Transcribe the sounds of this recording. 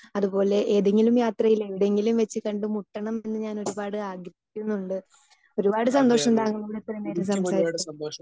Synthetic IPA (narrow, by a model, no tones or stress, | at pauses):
ɐðubo̞ːle̞ʔeːðeŋːɡilumjaːt̪rɐjile̞ʋiɽe̞ŋɡilumʋet͡ɕːɨkɐɳɖɨmuʈːɐɳɐme̞nːɨɲaːno̞ɾubaːɽɨaːɡɾɐɦikʲːunːuɳɖɨ | o̞ɾubaːɽɨsɐnd̪o̞ːʂɐnd̪aːŋːumːuɽit̪ːrɐmeːɾusɐmsaːɾiːɽɐɐnd̪oːʂɐ